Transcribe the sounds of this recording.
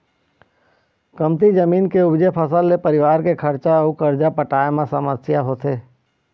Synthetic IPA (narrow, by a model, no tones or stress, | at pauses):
kəmt̪id͡ʒəmiːnkeʊbd͡ʒepʰəsəlːepəɾɪʋaːɾkekʰəɾt͡ʃaukəɾd͡ʒapəʈaːemãsəməsjaɦoːt̪eː